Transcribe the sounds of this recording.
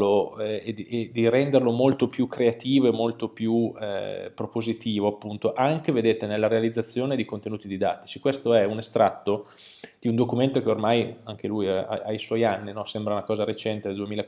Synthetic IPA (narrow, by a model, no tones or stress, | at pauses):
loed̪iʔed̪iɾɛnd̪erlomolt̪opjukːɾeat̪iːvoemːolt̪opju | pɾopozit̪iːvoapːunt̪oʔaŋk̟eved̪eːt̪enelːaɾealid̪zːat̪sːjoːned̪ikont̪enuːt̪id̪id̪a̰ːt̪i̥t͡ʃikwest̪oɛunest̪ɾat̪ːo | d̪̥iund̪okument̪ok̟eormajaŋk̟elujaa̰ajswɔjanːinɔsɛmbɾaunakɔːzaɾet͡ʃɛnt̪ed̪eld̪uemiːla